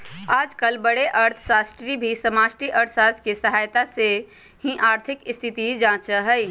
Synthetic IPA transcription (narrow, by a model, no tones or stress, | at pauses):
aːd͡ʒkəlbəɽeʔəɾt̪ʰsaːsʈɾibʱisəmaːsʈɾiʔəɾt̪ʰsaːt̪kesəɦaːjt̪ase | hĩʔaːɾt̪ʰɪkɪst̪ʰit̪id͡ʒãːt͡ʃəɦəj